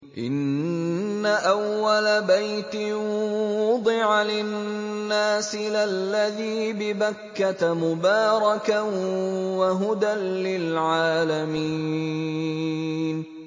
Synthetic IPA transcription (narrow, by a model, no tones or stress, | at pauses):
ʔɪ̰nː | aʔawːalabajt̪ɪwʊd̪ˤɪʕalɪnːaːsɪlalːaðiːbɪbakːat̪mʊbɑːɾˤɑka | waɦʊd̪anlɪlʕaːlami | n